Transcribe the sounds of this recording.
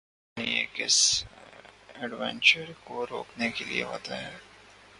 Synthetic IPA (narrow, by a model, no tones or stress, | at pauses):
ieːkɪs | ɛɖʋɛ̃nt͡ʃəɾkoɾoːknekeliḛɦo̰ːt̪aɦɛː